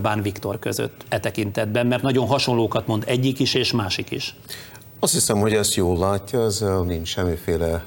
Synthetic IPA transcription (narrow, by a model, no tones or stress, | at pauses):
baːnvikt̪o̞rkø̰zø̰t̪ːɛt̪ɛkint̪ɛd̪bɛmːɛrt̪nɒɟo̞nɦɒʃo̞nloːkɒt̪mo̞nd̪ɛɟːikiʃeːʃmaːʃikḭʃ | ɒst̪hisɛmho̞ɟɛst̪joːlːaːcːɒɛzɛniɲt͡ʃʃɛmːifeːlɛ